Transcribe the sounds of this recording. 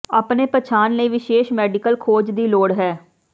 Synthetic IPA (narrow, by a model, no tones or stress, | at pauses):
aːpneːpət͡ʃʰaːnləiːʋɪʃeːʃmɛːɖɪkəlkʰoːd͡ʒd̪iːloːɽɦɛː